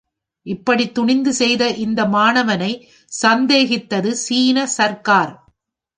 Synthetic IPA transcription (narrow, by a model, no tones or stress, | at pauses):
ʔɪpːɐɽit̪ːʊɳɪnd̪ɯsɛjðɐʔɪnd̪ɐmaːnɐʋɐnɐɪ | sɐnd̪eːɣɪt̪ːɐðɯsiːnɐsɐɾkaːɾ